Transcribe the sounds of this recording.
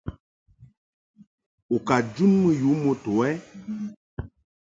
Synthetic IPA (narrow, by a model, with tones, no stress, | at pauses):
o˨ka˨d͡ʒu˦nmə˦ju˨˦mo˦to˨˦ɛ˦